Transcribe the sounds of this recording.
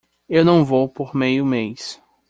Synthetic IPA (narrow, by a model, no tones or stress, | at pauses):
ewnɐ̃w̃vowpoɾmejʊmejs